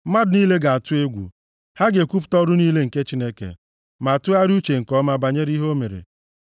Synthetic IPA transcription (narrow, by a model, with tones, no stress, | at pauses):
ma˦dniː˦le˦ɡa˨a˨tʊ˦e˦ɡʷṵ˨ | ha˦ɡe˨kʷu˦p̬tɔ˦ɾʊ˦niː˦le˦ŋ̩˨ke˦t͡ʃi˦ne˦kḛ˨ | ma˨a˨tʊ˦a˦ɾu˦t͡ʃe˨ŋ̩˨kɔ˦ma˦ba˨ɲe˦ɾi˦ɦo˦me˨ɾḛ˨